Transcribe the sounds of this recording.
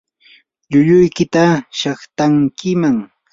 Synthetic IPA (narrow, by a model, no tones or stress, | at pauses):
ʎʊʎʊjkɪt̪aʃɑχt̪aŋkɪmaŋ